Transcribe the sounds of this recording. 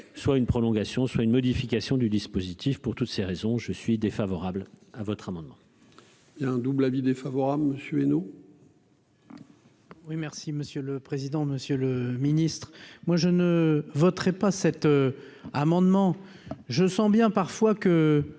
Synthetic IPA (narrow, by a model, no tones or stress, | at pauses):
swaynpχɔlɔ̃ɡasjɔ̃swaynmɔd̪ifikʲasjɔ̃d̪yd̪ispozit̪ʰifpuʁt̪ut̪seʁezɔ̃ʒəsɥid̪efavɔʁablavɔt̪χamɑ̃d̪mɑ̃ | bjɛ̃d̪ublavid̪efavɔʁabləməsjøeno | wimɛʁsiməsjələpχezid̪ɑ̃məsjøləminist̪χmwaʒənəvɔt̪χɛpasɛt̪øamɑ̃d̪mɑ̃ | ʒəsɑ̃bjɛ̃paʁfwakə